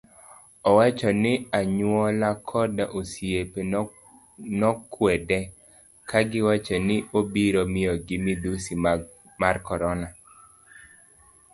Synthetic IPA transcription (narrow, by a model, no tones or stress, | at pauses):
ɔwat͡ʃɔnɪaɲwɔlakʰɔdaʔosjepe | nɔkwɛdɛ | kʰaɡɪwat͡ʃɔnɪʔobiɾɔmɪɔɡɪmid̪usi | markɔɾɔna